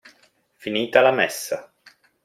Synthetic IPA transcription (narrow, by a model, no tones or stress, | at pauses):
finiːt̪alamɛsːa